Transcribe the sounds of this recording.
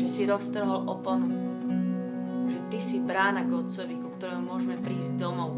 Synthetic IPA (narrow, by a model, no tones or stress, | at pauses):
ʒɛsiɾɔst̪r̩ɦɔlʔɔpɔn | ʒɛt̪isibɾaːnaɡɔt͡sɔʋikukt̪ɔɾɛɦumʊɔʒɛmɛpɾiːzd̪ɔmɔʊ